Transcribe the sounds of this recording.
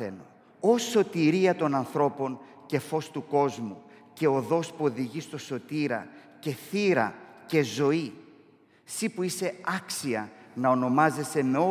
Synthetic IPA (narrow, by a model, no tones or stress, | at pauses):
eno | o̞so̞t̪iɾiɐt̪o̞nɐnθɾo̞po̞n | ce̞fo̞st̪uko̞zmuce̞o̞ðo̞spuo̞ðiʝist̪o̞so̞t̪iɾɐ̰ | ce̞θiɾɐ̰ce̞zo̞i | sipuise̞ɐksiɐnɐo̞no̞mɐze̞se̞me̞o